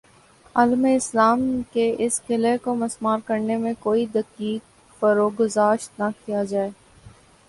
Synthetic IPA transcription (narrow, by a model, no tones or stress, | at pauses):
ɐːlmeɪslaːmkeʔɪskɪlekomɐsmaːɾkɐɾnemẽkoːid̪ɐkiːk̚ | fɐɾoːɡʊzaːʃt̪nakijad͡ʒaːeː